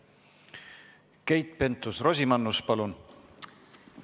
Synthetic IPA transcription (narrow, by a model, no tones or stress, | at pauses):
ke̞jt̪ˑpe̞nt̪ˑusro̞sʲimɑnːuspɑlun